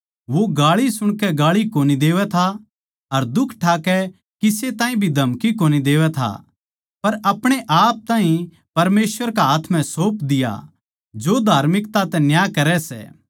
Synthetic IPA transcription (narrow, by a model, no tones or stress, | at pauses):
ʋoɡaːɭisʊɽ̃kɛɡaːɭikoːnid̪eːʋɛt̪ʰa | ɐɾd̪ʊkʰʈʰaːkɛ | kɪset̪aːɦĩbʱid̪ʱɐmkikoːnid̪eːʋɛt̪ʰa̰ | pɐɾɐpɽ̃eʔaːp̚t̪ãːɦĩ | pɐɾmeːswəɾkaaːt̪ʰmɛ̃soːpd̪ɪja̰ | d͡ʒoːd̪ʱaːɾmɪkt̪at̪ɛ̃njaːkɐɾɛsɛ̰ː